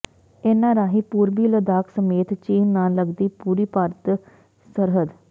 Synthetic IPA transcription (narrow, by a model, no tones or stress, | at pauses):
eːnãːɾaːɦiːpuːɾbiːləd̪aːksəmeːt̪t͡ʃiːnːãːləɡd̪iːpuːɾiːpaːɾət̪ | səɾɦəd̪